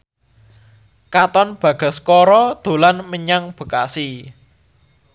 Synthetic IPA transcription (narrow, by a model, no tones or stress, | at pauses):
kat̪ɔnb̥ä̤ɡ̥a̤skɔɾɔd̪̥o̤lanməɲaŋb̥ə̤kasi